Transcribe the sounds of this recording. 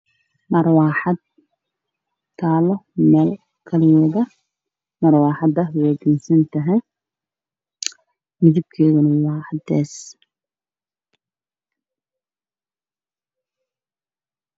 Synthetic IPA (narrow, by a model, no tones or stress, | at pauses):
mɐrwɑːħɑd̪̚ | t̪ʰːaːlɔmɛːl | kʰɐlɪjɛðɐ | mɐrwɑːħɑd̪ɐwɛːɡɪnsɐnt̪ʰɐɦɛj | mɪðib̚kʰɛːɣɐnɐwɑːħɑd̪ɛːs